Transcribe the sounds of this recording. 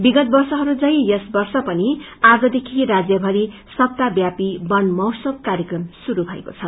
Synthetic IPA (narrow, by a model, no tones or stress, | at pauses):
biɡʌt̪̚bʌrsʌɦʌɾud͡zʌjjʌsbʌrsʌpʌniad͡zʌd̪ekʰiɾad͡zjʌbʱʌɾi | sʌp̚t̪abjapibʌnmʌwsʌk̚kːaɾjʌkrʌmsuɾubʱʌḛkot͡sʰʌ